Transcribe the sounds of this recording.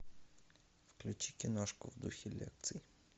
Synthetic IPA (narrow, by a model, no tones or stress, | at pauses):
fklʲʉt͡ɕikʲɪnoʂkʊvd̪uxʲɪlʲḛk̚t̪sɨj